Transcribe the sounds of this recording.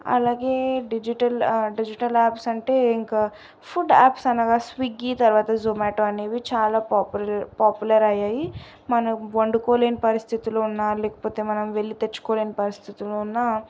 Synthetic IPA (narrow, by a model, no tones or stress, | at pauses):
ɐ̰laːɡe̞ːɖid͡ʒiʈɐlɖid͡ʒiʈɐlaːpsɐɳʈe̞ːiŋka | pʰuɖaːpsɐnaːɡaːsʋiɡːiːt̪ɐɾʋaːt̪ɐzomaːʈoːɐneːʋit͡ʃaːlaːpːpaːpjulɐɾɐjaːji | mɐnɐmʋɐɳɖukoːle̞ːnipɐɾist̪ʰit̪iloːunːaːulɛːkɐ̥po̞ːt̪e̞ːmɐnɐmʋe̞ɭːit̪et͡ʃːu̥koːle̞ːnipɐɾist̪ʰit̪iloːunːaː